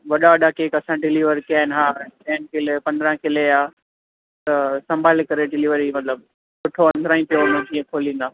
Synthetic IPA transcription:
ʋɐɗaəɗaːkeːkɐsãɖɪliʋəɾikijaːɦɪnɦaːɛ̃ːt̪ɛ̃ːnkɪlepɐ̃nd̪əɾə̃kɪleaː | t̪ɐsɐ̃mbʱaːlkɐɾeɖɪliːʋəɾimɐt̪ləb̚ | sʊʈʰoɐ̃nd̪ʱɾãːĩpijoʊnə̃d͡ʑiːẽkʰoːlĩːn̆d̪aː

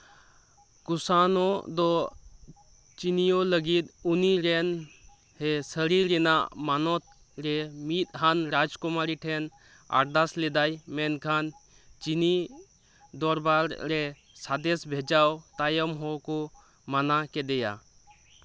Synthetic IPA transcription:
kʊsanɔd̪ɔ | t͡ʃinijoləɡit̪uniɾɛn | ɦɛsəɾiɾɛna̰manɔt̪ | ɾɛmit̪ɦanɾad͡ʒkɔmaːɾiʈʰɛn | a̰ɾd̪aslɛd̪ajmɛnkʰan | t͡ʃini | d̪ɔɾbaɾːɛ | sad̪ɛsbʱed͡ʒawt̪ajəmɦɔkɔ | manakɛd̪ɛja̰

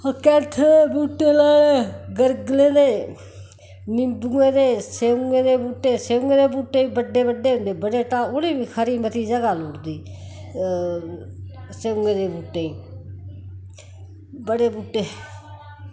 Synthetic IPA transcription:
əkɛːt̪ʰebuːʈeːlaːeɡəɾɡleːd̪eː | nɪmbũẽːd̪eːseːŋẽːd̪eːbuːʈeːseːŋɡẽːd̪eːbuːʈːeːiːbəɖeːbəɖeːɦʊ̃nd̪eːbəɽeːʈaːʊɽiːʋiːkʰəɾiːmət̪iːd͡ʒəɡaːloːʈd̪iː | seːŋɡẽːd̪eːbuːʈːeːĩː | bəɽeːbuːʈːeː

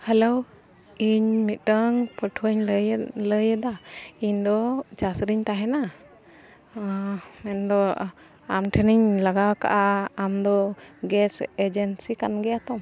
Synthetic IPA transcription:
hɛlow | iɲmit̪̚ˀʈəŋpəʈʰuɲləjɛd̪aiɲd̪ɔt͡ʃasɾiɲt̪aɦɛna | mɛnd̪ɔ | amʈʰəniɲlaɡaka̰ʔaamd̪ɔɡɛsɛd͡ʒɛnsikanɡɛjat̪ɔm

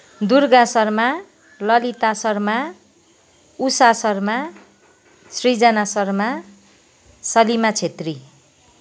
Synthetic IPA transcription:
d̪urɡasʌrma | lʌlit̪asʌrma | usasʌrma | srid͡zʌnasʌrma | sʌlimat͡sʰet̪ri

